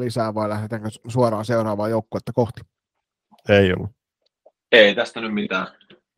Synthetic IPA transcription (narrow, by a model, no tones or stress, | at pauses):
lisæːʋɑˑilæhdet̪æːŋkøsuoɾɑːnseurɑːʋˑɑːjoˑukːoːet̪ːækoht̪i̥ | eˑio̰lːu | eˑit̪æst̪ænymmit̪æː